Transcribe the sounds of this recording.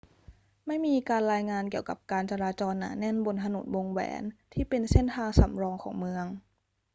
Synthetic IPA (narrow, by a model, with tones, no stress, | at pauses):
ma˥˩jmiː˧kaː˧nɾaː˧jŋaː˧nki˨˩əwka˨˩p̚kaː˧nt͡ɕa˧ɾaː˧t͡ɕɔː˧nːa̰ː˩˦nɛ˥˩nbo˧nt̪ʰa˧no̰˨˩˦nwo˧ŋwɛ̰ː˩˦nt̪ʰiː˥˩pe˧nse˦˥˩nt̪ʰaː˧ŋsa˨˩˦mɾɔː˧ŋkʰɔː˩˦ŋmɯ˧əŋ